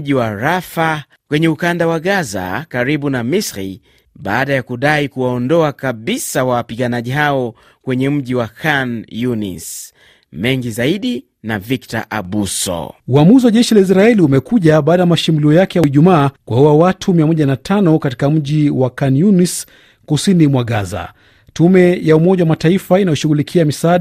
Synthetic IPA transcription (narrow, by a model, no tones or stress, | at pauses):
ʄiwaɾafa | kwɛɲɛukandawaɠaza̰kaɾiɓunamisɾḭ | ɓaːɗajakuɗaikuwaɔndɔakaɓisawawapiɠanaʄiɦaɔ | kwɛɲɛm̩ʄiwakʰanjunḭs | mɛŋɡizaiɗi | navikta̰ʔa̰ɓusɔ̰uamuziwaʄɛʃilais̬ɾaɛliumɛkuʄaɓaːɗajamaʃimuliɔjakɛjaiʄumaːkwaɔwawatʰumiamɔʄanatʰanɔkati̥kam̩ʄiwakanjunis | kusinimwaɠaza̰ | tumɛjaumɔʄawamataifainajɔʃuɣulikʰiamisaɗ